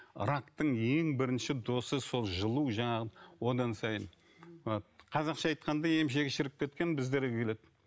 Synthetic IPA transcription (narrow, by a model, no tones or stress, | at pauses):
ɾakt̪əɴje̞ŋbɪɾɪnʃɪd̪o̞səso̞lˠʒəlˠuwʒɑɴɑʁəwo̞d̪ɑnsɑjə̰n | qʰɑzɑqʃɑɑjt̪qɑnd̪ɑje̞mʃ̬e̞ɡʲɪʃɪɾɪp̚kʲe̞t̪̚kʲe̞nbɪzd̪eɾkʲʰe̞le̞d̪ɪ